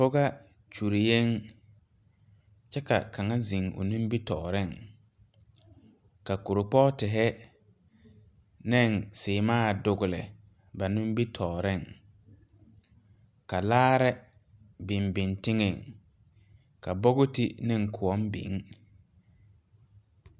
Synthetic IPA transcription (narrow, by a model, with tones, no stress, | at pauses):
fʊ˦ɣa˦ | t͡ʃu˨ɾi˨je˦ŋ | t͡ʃɛ˦ka˨ka˨ŋa˦zi˨ŋo̰˨nũ˦m˦bi˦tɔː˨ɾɪ˦˨ŋ | ka˨ku˨ɾʊ˨k͡pɔ˦tɪ˨ɦɛ˦ | nɛ˦˨ŋsɪː˨maː˦˨dʊ˨ɡʊ˨lɪ̰˨ | ba˨nũ˦m˦bi˦tʰɔː˨ɾɪ˦˨ŋ | ka˨laː˦ɾɛ˦ | bɪ˨mbɪ˨ntɪ˦ŋɛ˨ŋ | ka˨bɔ˦ɣʊ˦tɪ˦nɪ̃˦ŋkʰʊ˨ɔ˦mbḭ˨˦ŋ˦